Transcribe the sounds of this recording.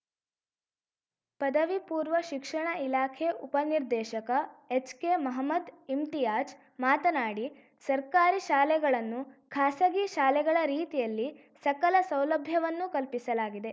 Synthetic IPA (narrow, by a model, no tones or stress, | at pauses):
pɐd̪ɐʋipuːɾʋɐʃikʂɐɳɐilaːkʰeʔupɐniɾd̪ɛːʃɐkɐet͡ʃkemɐɦɐmːɐd̪imt̪ijaːt͡ʃ | maːt̪ɐnaːɽi | sɐɾkaːɾiʃaːlɛɡɐɭɐnːukʰaːsɐɡiʃaːlɛɡɐɭɐɾiːt̪ijɐlːi | sɐkɐlɐsɐwlɐbʱjɐʋɐnːukɐlpisɐlaːɡid̪e̞